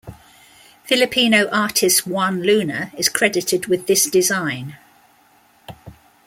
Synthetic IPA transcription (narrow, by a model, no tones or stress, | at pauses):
fɪlɪpʰiːnəʊʔɑˑtʰɪstwʌ̃nlʉːnəɹɪz̥kʰɹ̥ɛdɪtʰɪdwɪðɪsd̥ɪzãɪ̃n